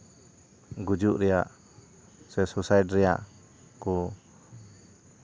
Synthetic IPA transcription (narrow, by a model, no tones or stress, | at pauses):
ɡud͡ʒuʔɾɛjaʔ | sɛsusajdɾɛjaʔ | ku